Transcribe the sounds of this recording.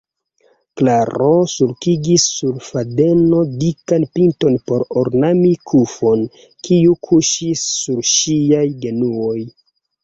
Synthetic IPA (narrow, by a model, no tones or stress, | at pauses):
klaɾosuɾkiɡisːuɾfade̞no̞dikanpinto̞npo̞ɾoɾnamikʰufo̞n | kʰiukʰuʃisːuɾʃiajɡe̞nuo̞j